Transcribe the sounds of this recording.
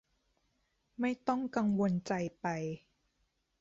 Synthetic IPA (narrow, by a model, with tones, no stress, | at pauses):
ma˥˩jt̪ɔ˥˩ŋka˧ŋwo˧nt͡ɕa˧jpa˧j